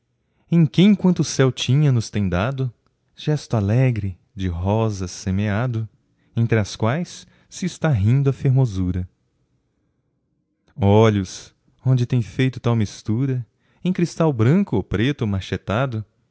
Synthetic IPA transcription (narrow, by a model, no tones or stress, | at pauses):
ẽj̃kɪẽkwɐ̃nt̪ʊʊsɛwt͡ʃĩɲɐnʊst̪ẽj̃d̪ad̪ʊ | ʒ̥ɛst̪ʊalɛɡɾɪ | d͡ʒɪɦɔzɐsemead̪ʊ | ẽnt̪ɾɪɐskwajsː | ɪːst̪aɦĩnd̪ʊɐfeɾmozuɾɐ | ɔʎʊs | õnd͡ʒɪt̪ẽj̃fejt̪ʊt̪awmist̪uɾɐ | ẽkɾist̪awbɾɐ̃kʊopɾet̪ʊmaʃet̪ad̪ʊ